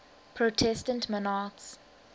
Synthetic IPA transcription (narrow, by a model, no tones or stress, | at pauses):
pʰɹotʰɛstə̃ntmɔnats